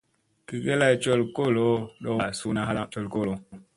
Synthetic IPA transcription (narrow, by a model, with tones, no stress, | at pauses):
ki˨ɣe˦la˦˨t͡ʃo˦˨lko˦˨lo˦ɗɔ˦a˨su˦na˦ɦa˦la˦ʔt͡ʃo˦˨lko˦˨lo˨